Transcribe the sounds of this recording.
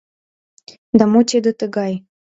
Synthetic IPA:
d̪ɑmot̪ʲed̪ə̆t̪əɣɑj

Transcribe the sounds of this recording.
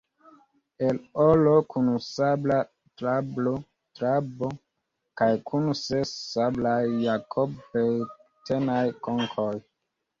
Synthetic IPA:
elolokʰunusabla | tɾablo | tɾabo | kajkʰunsesːablajːakʰobejtʰenajkoŋkʰoj

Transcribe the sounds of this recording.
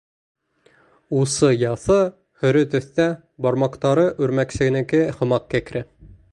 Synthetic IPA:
usɤjɑθɤ | hɵ̆ɾɵt̪ɵ̆θt̪æ | bɑɾmɑqt̪ɑɾɤʔʉɾmæksɘ̆ɡɘ̆nɘ̆kɘhɤ̆mɑq̚kækɾɘ

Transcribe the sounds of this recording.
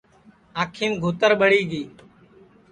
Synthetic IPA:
aːkʰiːmɡʱoːt̪əɾɓəɽiːɡiː

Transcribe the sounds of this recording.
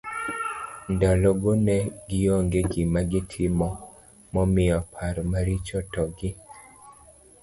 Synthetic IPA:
ndalɔɡonɛɡɪjɔŋɡeɡɪmaɡɪtʰɪmɔ | mɔmɪɔpʰaɾɔmaɾit͡ʃɔtɔɡɪ

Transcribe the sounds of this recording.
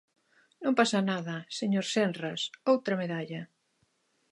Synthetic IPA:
nõmpasanaðɐseɲoɾsenrasowt̪ɾɐmeðaʎɐ

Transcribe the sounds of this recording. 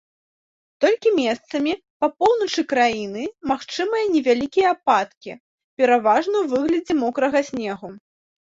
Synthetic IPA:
t̪ɔlʲkʲimʲɛst̪sɐmʲi | pɐpɔwnɐt͡ʂɨkɾajinɨmaxt͡ʂɨmɐjɐnʲɛvʲalʲikʲijɐapat̪kʲi | pʲɛɾavaʐnɐwvɨɣlʲɐd͡zʲɛmɔkɾɐɣɐsʲnʲɛɣu

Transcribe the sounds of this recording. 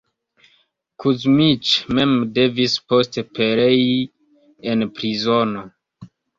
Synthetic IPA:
kʰuzmit͡ʃmemde̞vispo̞stepeɾe̞ji | enpɾizono̞

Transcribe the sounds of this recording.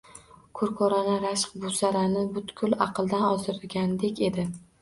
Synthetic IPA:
kʰʊɾkʰoɾanaɾaʃq̚bʊsaɾanɪbʊt̪kʲʰʊlɑqʰɨlˠd̪anɒzɪɾɪlɡʲand̪e̞kʲe̞d̪ɪ

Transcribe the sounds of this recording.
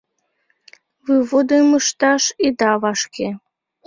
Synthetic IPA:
vɨβod̪ɤməʃt̪ɑʃid̪ɑβɑʃke

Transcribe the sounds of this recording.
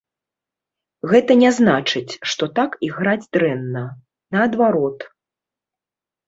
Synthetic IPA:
ɣɛt̪ɐnʲɛznat͡ʂɨt͡sʲʂt̪ɔt̪akiɣɾad͡zʲd̪ɾɛnːɐ | nɐɐd̪vaɾɔt̪

